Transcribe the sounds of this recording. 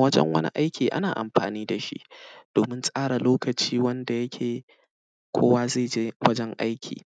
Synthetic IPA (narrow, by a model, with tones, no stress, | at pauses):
wɐ˦d͡ʒɛ̰˦ŋwɐ̰˦nḭ˦ʔa˦jkʲʰiː˨ʔa̰˦naː˨ʔa̰˨mɸa̰ː˨niː˦da˨ʃḭ˦ʔd̥oː˨mɪ˦nsʼaː˦ɽa˨loː˦kɐ˨t͡ʃiː˦wɐ˦nda˨jɐ˦kʲʰeː˨ | kʷʰo̰ː˦waː˦zeː˦˨d͡ʒe˦wɐ˦d͡ʒɛ˦ŋʔa˦jkʲʰḭː˨